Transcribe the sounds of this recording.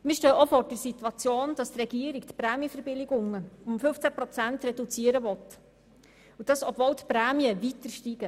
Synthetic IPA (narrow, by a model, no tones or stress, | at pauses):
mɪːʃtœːʔofɔːɾd̥əɾsit̪wɑt͡sjoːnd̥ɑst̪rɛɡ̥iəɾikt̪pɾæːmiəfəɾbɪlɪɡʊŋəʊmfɵft͡sæpɾɔt͡sænt̪rɛdut͡siəɾəvɔt | ud̥ɑsɔbvɔwtpɾæːmjəʋit̪əɾʃtiɡə